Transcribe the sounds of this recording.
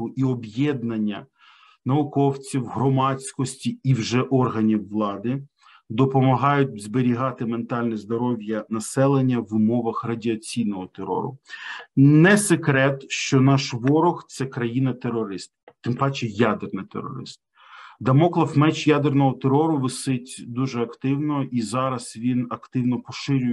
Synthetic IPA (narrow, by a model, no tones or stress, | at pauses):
ʊʔiɔbjɛd̪nɐnʲːɐ̰ | nɐʊkɔwt͡sʲiwɦɾɔmɑt͡sʲkɔsʲtʲiiwʒɛʔɔrɦɐnʲiwːlˠɑd̪ɪ | d̪ɔpɔmɐɦɑjʊt̚ʲzbeɾʲiɦɑt̪ɪment̪ɑlʲnɛzd̪ɔɾɔʋʲjɐnɐsɛlˠenʲːɐʋʊmɔʋɐxrɐdʲiɐt͡sʲijnɔɦɔt̪eɾɔ̰ɾʊ̰ | nɛsekɾɛt̪ʃt͡ʃɔnɑʃʋɔɾɔxt̪sɛkɾɐjinɐt̪eɾɔɾɪst̪̚t̪ɪmpɑt͡ʃɛjad̪ernɪt̪ḛɾɔ̰ɾɪ̰st̪̚ | d̪ɐmɔklˠɐfmɛt͡ʃjad̪ernɔɦɔt̪eɾɔɾʊʋɪsɪtʲd̪uʒɛɐkt̪ɪwnɔʔizɑɾɐz̥ʋʲinɐkt̪ɪwnɔpɔʃɪɾʲʊj